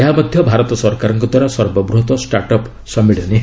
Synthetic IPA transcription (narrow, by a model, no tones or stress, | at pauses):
eɦamɔd̪ʱjɔbʱaɾɔt̪ɔsɔɾkaɾɔŋkɔd̪waɾaswɔɾbɔbɾuɦɔt̪ɔsʈaɾʈɔp | sɔmiɽɔni